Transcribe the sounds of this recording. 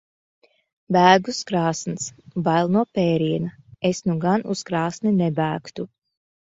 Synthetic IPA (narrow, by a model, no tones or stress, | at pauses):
bæːɡuskɾaːsnsbalˠnuɔpɛːɾiɛnɐesnuɡanuskɾaːsninɛbæːkt̪u